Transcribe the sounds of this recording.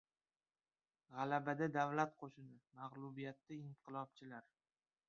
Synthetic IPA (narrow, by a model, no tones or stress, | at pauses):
ʁɑlabad̪ad̪avlat̪̚qʰoʃɪnɪmaʁlˠʊbijat̪ːaɪmqʰɨlˠɒb̚t͡ʃʰɪlaɾ